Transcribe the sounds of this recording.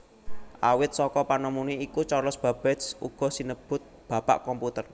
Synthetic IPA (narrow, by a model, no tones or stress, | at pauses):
ʔawɪt̪̚sɔkɔpanɔmuniikut͡ʃɔlɔsb̥a̤b̥ɛt̪sṵɡ̥ɔ̤sinəb̥ʊ̤t̪̚b̥ä̤pa̰ʔkɔmput̪ər